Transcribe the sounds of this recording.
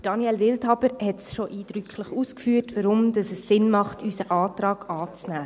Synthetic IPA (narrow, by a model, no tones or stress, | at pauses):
d̥ɑniɛlʋɪlthɑbəɾhɛtsʃoʔiːd̥ɾykʰχlɪχuːskfyːtʋəɾʊmd̥ɑsəsːɪnmɑχtʰysəʔɑːtrɑːɡ̥ɑːt͡snæː